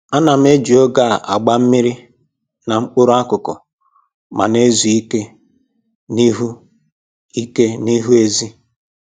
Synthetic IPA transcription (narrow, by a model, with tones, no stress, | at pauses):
a˦na˨m̩˦e˦d͡ʒi˨o˦ɡa˦˨ʔa̰˨ɡ͡ba˦m̩˦mi˦ɾi˦ | na˨ŋ͡m̩˦k͡pʊ˦ɾʊ˦a˦kʊ˨kɔ̰˨ | ma̰˨ne˦zu˨i˦ke˦ | ni˦ɦu˦ | i˦ke˦ni˦ɦu˦e˦zi˦